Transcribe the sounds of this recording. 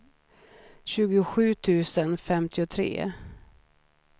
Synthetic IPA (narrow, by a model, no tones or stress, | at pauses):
ɕʉ̟ːɡʊɧʉ̟ːt̪ʰʉ̟ːsənfɛmt̪ʰɪʊt̪ʰɾḛː